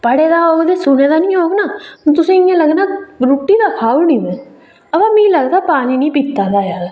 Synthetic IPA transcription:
pəɽeːd̪aːod̪eːsʊneːd̪aːnĩːɦoːɡnaːt̪̬ʊsẽːɪjãːləɡnaːɾuʈːiːd̪aːkʰaːuniːmɛ̃ː | əbaːmɛ̃ĩləɡd̪aːpaːniːnĩːpiːt̪ːaːd̪aːjaːd

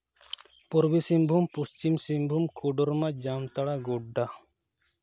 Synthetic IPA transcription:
pɔɾbisimbʱumpust͡ʃimsimbʱumkʰuɖɔɾmad͡ʒamt̪aɽaɡoɖːa

